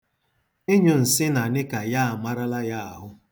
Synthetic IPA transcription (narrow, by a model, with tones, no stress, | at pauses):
e˦ɲʊ˨n̩˨sɪ˦na˨nɪ˦ka˨ja˦a˨ma˦ɾa˦la˦ja˦a˨ɦʊ˦